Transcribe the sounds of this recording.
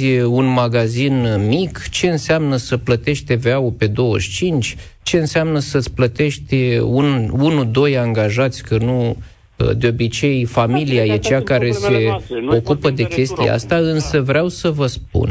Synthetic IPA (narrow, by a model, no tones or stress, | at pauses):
unmaɡazinmikt͡ʃe̞ɨnseamnəsəplət̪e̞ʃt̪̚ʲt̪eveaupe̞d̪o̞wə̰ʃʲt͡ʃint͡ʃʲ | t͡ʃe̞ɨnseamnəsət̪sʲplət̪e̞ʃt̪ʲununud̪o̞jaŋɡaʒat̪sʲkənu | ə̰d̪eo̞bit͡ʃe̞jfamiliaje̞t͡ʃakaɾe̞se̞o̞kupəd̪e̞kʲe̞st̪ijḛa̰st̪aɨnsəvɾeawsəvəsp̚ṵn